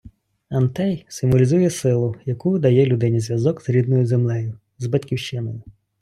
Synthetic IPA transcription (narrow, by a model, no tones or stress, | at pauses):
ɐnt̪ɛjsɪmʋɔlʲizujɛsɪlˠʊjɐkud̪ɐjɛlʲʊd̪ɪnʲizʲjɐzɔɡzɾʲid̪nɔjʊzemlˠɛjʊ | zbɐtʲkʲiwʃt͡ʃɪnɔjʊ